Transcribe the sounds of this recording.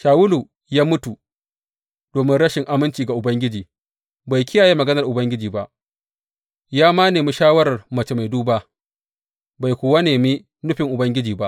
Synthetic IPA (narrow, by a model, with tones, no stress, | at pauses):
ʃaː˨wʊ˦lu˨ | jaː˦mʊ˦tu˨ | d̥oː˨mɪ˦nɽɐ˦ʃɪ˨ŋʔa˨mɪ˦nt͡ʃiː˨ɡa˨ʔʊ˨bɐ˦ŋɡʲɪ˦d͡ʒiː˨ | ba˨jkʲʰɪ˦jaː˨ji˦mɐ˨ɡɐ˦nɐ˨rʔʊ˨bɐ˦ŋɡʲɪ˦d͡ʒiː˨ba˦ʔ | jaː˦maː˦neː˨mu˦ʃaː˦wɐ˦ɾɐ˨rmɐ˨t͡ʃe˨ma˨jduː˦baː˦ | ba˨jkʷʊː˨wa˦neː˨mi˦ | nʊ˦ɸɪ˨ŋʔʊ˨bɐ˦ŋɡʲɪ˦d͡ʒiː˨ba˦ʔ